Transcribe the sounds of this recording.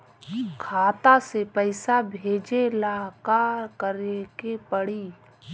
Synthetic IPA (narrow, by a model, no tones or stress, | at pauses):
kʰaːt̪asepəɪsabʱeːd͡ʒelakaɾkəɾekepəɽiː